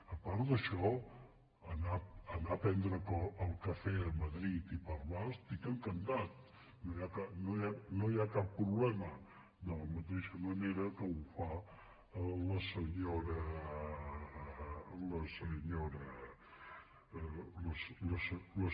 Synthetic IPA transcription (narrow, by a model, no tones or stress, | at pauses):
əpaɾd̪əʃɔ | ənaənapɛnd̪ɾəkoəlˠkəfɛəməðɾit̪ipəɾmast̪ikəŋkənd̪at̪̚ | nojakanoanojakapːɾuβlɛmə | d̪ələmut̪ɛʃəməneɾəkəufa | ləsəɲoɾə | ləsəɲoɾə | ləsləslə